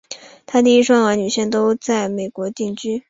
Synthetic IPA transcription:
t̪ʰa˥t̪i˧i˥ʂwɑ˥ŋwnny˨˩ɕjɛ˥˩nt̪o˥ʊt͡sa˥˩ɪme˨˩ɪkwɔ˧˥t̪i˥˩ŋt͡ɕy˥

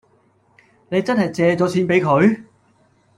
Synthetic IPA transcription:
ne˨˧jt͡sɐ˥nɦɐ˨jt͡sɛː˨˧t͡sɔː˨˥t͡sʰiː˨˥npe˨˥jkʰɵ˨˧ɥ

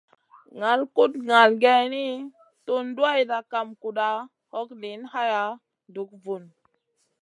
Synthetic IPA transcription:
ŋa˨lku˦tŋa˨lɡe˦ni˦ | tu˦ndu˦a˦jda˨ka˨mku˨ɗa˦ | ho˦kni˨˦nha˦ja˨˦ | ndu˨˦k̚vu˨n

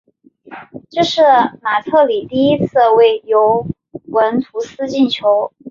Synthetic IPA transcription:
ʈ͡ʂɤ˥˧ʂɻ̩˥˩ma˨˩t̪ʰɤ˥˩li˨˩t̪i˥˩i˥t͡sʰɹ̩˥˩we˥˩ɪjo˧˥ʊ | wə˧˥nt̪ʰu˧˥sɹ̩˥t͡ɕi˥˩nt͡ɕʰjo˧˥ʊ

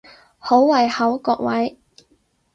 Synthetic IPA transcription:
ho˨˥wwɐ˨jhɐ˨˥wkɔː˧k̚wɐ˨˥j

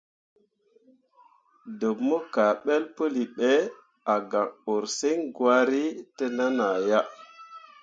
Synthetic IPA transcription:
do˨bmo˦ka˨ɓe˦lpə˦li˨ɓe˦ | a˨ɡa˨ŋo˨ɾse˦ŋɡwa˦ɾi˦tə˦na˦na˨ja˦

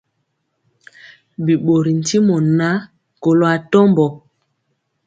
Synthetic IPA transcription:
bi˨ɓo˨ɾi˨n̩˨ti˦mɔ˨na˦ | ko˨lo˨a˨tɔ˦mbɔ˨

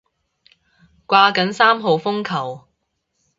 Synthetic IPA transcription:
kʷaː˧kɐ˨˥nsaː˥mɦo˨wfʊ˥ŋkʰɐ˨˩w

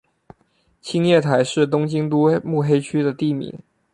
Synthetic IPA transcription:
t͡ɕʰi˥ŋjɛ˥˩t̪ʰa˧˥ɪʂɻ̩˥˩t̪ʊ˥ŋt͡ɕi˥ŋt̪u˥mu˥˩xe˥ɪt͡ɕʰy˥d̪ə˨t̪i˥˩mḭ˨˧˥ŋ

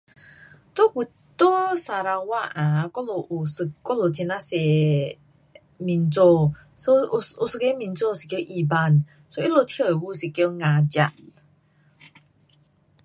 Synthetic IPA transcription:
t̪o˦ku˨ | t̪o˦sa˨ɾa˧wa˦˧ʔʔã˨kɔ˦lo˧ʔu˨sɨ˧˨kːɔ˦lo˨t͡ɕʰe˧na˦se˨ | mi˨nt͡so˧ | so˦˧˨u˧sɨ˧ke˧˦mĩ˨nt͡so˧˨si˨kjə˧˦ʔi˧˨ba˧˨n | so˦ʔi˦˥lo˧t̪ʰjə˧˨e˨wu˧˦˨si˨ko˧ŋã˧d͡ʑa˧˨ʔ

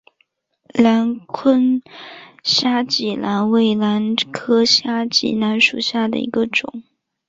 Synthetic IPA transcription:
la˧˥nkʰwə˥n | ɕja˥t͡ɕi˨˩lʔa˧˥nwe˥˩ɪla˧˥nkʰɤ˥ɕja˥t͡ɕḭ˧˥˩na˧˥nʂu˨˩ɕja˥˩d̪ə̰˩ḭ˧˥ɡə˧ʈ͡ʂʊ̰˨˩˦ŋ

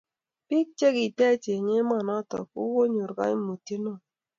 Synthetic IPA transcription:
pi˦k̚t͡ʃe˦ɡi˨tɛ˦t͡ʃe˨ɲe˦ma˨nɔ˦tɔ̰˨kṵ˦wo˦ɲu˨ɾɡa̰˦mo˨ti˦no˦˨

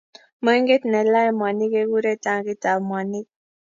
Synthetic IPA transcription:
mə˦ŋɡe˦t̪nɛ˨la˦je˦mwa˨ni˦ke˦ɡu˦ɾe˦ta˨ŋɡi˦ta˨mwa˨ni˦k̚

